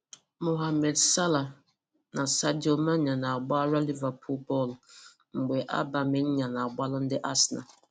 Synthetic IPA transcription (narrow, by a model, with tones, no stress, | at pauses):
mo˨ɦa˨mɛ˨dsa˦la˨ | nã˨sa˦do˨mã˦ɲã˨nã˨a˨ɡ͡ba˦ɾa˦li˦va˨pʰu˦bɔ˦l | m̩˨bʊ˨ɛ˨ʔa̰˦ba˨mɪ̃˦n˦ɲã˨nã˨a˨ɡ͡ba˦lʊ˦n̩˦dɪ˦ʔa˦sna̰˨